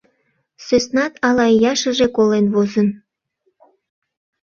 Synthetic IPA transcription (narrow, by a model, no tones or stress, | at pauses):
søsnɑt̪ʰɑlɑjɑʃəʒekolenβozən